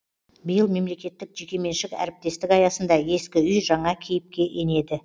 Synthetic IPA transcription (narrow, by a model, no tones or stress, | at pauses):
bəjəlˠme̞mle̞kʲe̞t̪ːɪk̚ʒ̥ikʲe̞me̞nʃɪkæ̰ɾɪp̚t̪e̞st̪ɪkɑjɑsənd̪ɑe̞skʲɪʏjʒɑɴɑkʲʰejɪp̚kʲe̞ʔe̞ne̞d̪ɪ